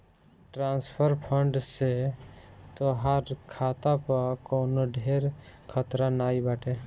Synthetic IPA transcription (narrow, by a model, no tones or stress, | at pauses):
ʈɾãːnspʰəɾpʰəɳɖse | t̪oɦaɾkʰaːt̪apəkoːnoɖʱeːɾkʰət̪ɾanaːibaːʈe